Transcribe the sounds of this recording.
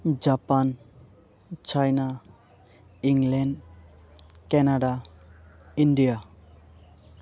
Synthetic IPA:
d͡ʒapan | t͡ʃʰajna | iŋlɛɳɖ | kɛnaɖa | inɖija

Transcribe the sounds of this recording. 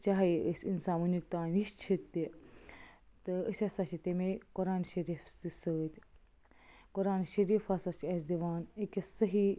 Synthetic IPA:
t͡ʃaɦiəsʲinsaːmunik̚t̪aːnʋiʃt͡ʃʰit̪ːi | t̪ɨəsʲɐsɐʃit̪emekuɾaːnʃɐɾiːfst̪isəːt̪ʲ | kuɾaːnʃɐɾiːfasɐt͡ʃɐsd̪iʋaːnekʲesɐɦi

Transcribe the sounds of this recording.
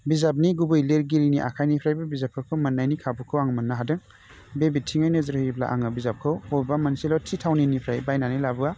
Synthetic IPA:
bizap̬̚niɡubɯjleɾɡiɾiniʔa̰kʰajnipʰɾajbabizap̚kʰɯkʰɯwmɐnːajnikʰabukʰɯwaŋmɐnːaɦadɯŋ | bebitʰːiŋajnɯzɯɾhɯibla̰ʔa̰ŋabizap̚kʰɯwhobamɐnselɔwtʰitʰawninipʰɾajbajnanilabɯa

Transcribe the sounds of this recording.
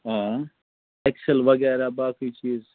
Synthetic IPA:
ɦãː | ekselʋɐɡɛːɾabaːkiːt͡ʃiːz

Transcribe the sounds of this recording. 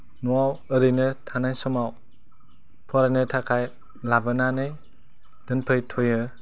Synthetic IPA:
nuawəɾɯjnɯtʰanajsɔmaw | pʰɔɾajnɯtʰakʰaj | labənanɯj | d̥ɯnpʰɯjtʰojɯ

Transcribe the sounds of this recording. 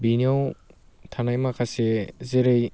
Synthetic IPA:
biniow | tʰanajmakʰasezeɾej

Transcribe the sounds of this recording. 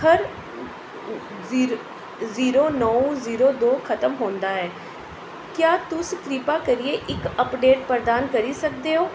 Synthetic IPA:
hʰəɾ | ziːɾoːnɔːuziːɾoːd̪oːkʰət̪əmɦoːnd̪aːɦɛː | kjaːt̪ʊst̪ɾiːpaːkəɾieːʔɪkəpɖeːʈ̚pəɾd̪aːnkəɾiːsək̚d̪eːɦoː

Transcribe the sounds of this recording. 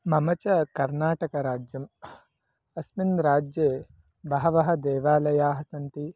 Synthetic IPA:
mɐmɐt͡ʃɐkɐɾnaːʈɐkɐɾaːd͡ʒjɐm | ɐsminɾaːd͡ʒjeː | bɐɦɐʋɐɦɐd̪ɛːʋaːlɐjaːɦɐsɐnt̪i

